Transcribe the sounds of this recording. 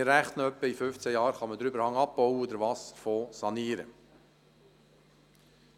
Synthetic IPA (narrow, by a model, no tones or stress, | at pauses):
ɪɾæχt̪nœpːəifʏft͡sæjɑːɾχɑməd̪ɾʏbəɾhɑŋɑp̚b̥ɔʊwəod̪əɾʋɑːsfoːsɑniːɾə